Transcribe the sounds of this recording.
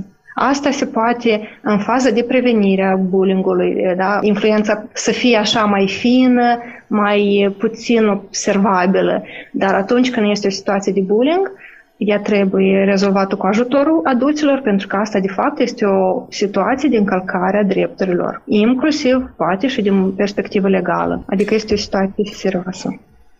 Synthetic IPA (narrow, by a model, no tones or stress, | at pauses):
a̰st̪ase̞poat̪e̞ɨnfazəd̪e̞pɾe̞ve̞niɾeabuliŋɡulṵjd̪ainflue̞nt̪sasəfijeaʃamajfinə | majput̪sino̞bse̞rvabilə̰d̪aɾat̪unt͡ʃʲkɨnd̪je̞st̪eo̞si̥t̪uat̪sijed̪e̞buliŋɡ | jat̪ɾe̞bujeɾe̞zo̞lvat̪əkuaʒut̪o̞ɾulad̪ult̪silo̞rpe̞nt̪ɾukəast̪ad̪e̞fap̚t̪je̞st̪eo̞sit̪uat̪sije̞d̪eɨŋkəlkʰaɾead̪ɾe̞p̚t̪uɾilo̰riŋklusivpoat̪e̞ʃid̪inpe̞rspe̞kt̪ivəle̞ɡa̰lə̰a̰d̪ikəje̞st̪eo̞si̥t̪uat̪sijese̞ɾiasə